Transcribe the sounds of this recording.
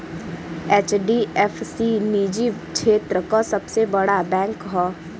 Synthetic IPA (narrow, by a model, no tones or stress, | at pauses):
eːt͡ʃɖiɛfsiniːd͡ʒikʃʰeːt̪ɾəkasɐbsebɐɽabɛ̃ːŋkɦɔː